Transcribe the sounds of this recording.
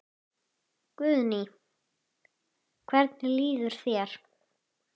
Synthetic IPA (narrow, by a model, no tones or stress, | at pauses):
kvʏðni | kʰvɛɾt̪nɪliːðʏɾ̥θjɛɾ̥